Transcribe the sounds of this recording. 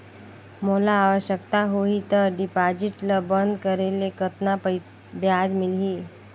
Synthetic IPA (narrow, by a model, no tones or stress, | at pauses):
molaːʋəɕjəkt̪aɦoit̪əɾɖipad͡ʒiʈləbənd̪kəɾelekət̪napəj | bjad͡ʒmɪlɦiː